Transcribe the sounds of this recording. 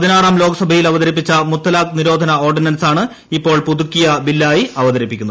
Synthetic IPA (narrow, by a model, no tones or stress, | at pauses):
pɐðinaːraːmlo̞ːɡɐsɐbʱɐjilɐʋɐðɐɾipːit͡ɕːɐmut̪ːɐlaːk̚niɾo̞ːd̪ʱɐnɐoːrɖinɐnsaːɳɨ | ipːo̞ːɭpud̪ukːijɐbilːaːjiɐʋɐðɐɾipːikʲːunð